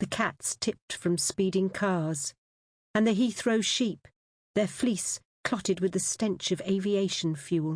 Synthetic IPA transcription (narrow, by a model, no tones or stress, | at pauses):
ðɨkʰætstʰɪp̚tfɹʌ̃mspiɾɪ̃ŋkʰɑɹz̥ | ɨ̃nðɨɦiθɹoʊʃip̚ | ðə˞flis | kʰl̥ɑɾɨd̚wɨðɨstɛ̃nt͡ʃʌveɪvieɪʃn̩fjʉlˠ